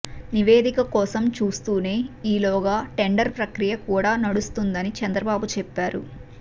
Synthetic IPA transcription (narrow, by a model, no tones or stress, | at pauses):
niʋe̞ːd̪ikɐkɔːsɐmt͡ʃuːst̪uːne̞ːiːlɔːɡaːʈe̞ɳɖɐɾpɾɐkɾijɐkuːɽaːnɐɽust̪und̪ɐnit͡ʃɐnd̪ɾɐbaːbut͡ʃɛpːaːɾṵ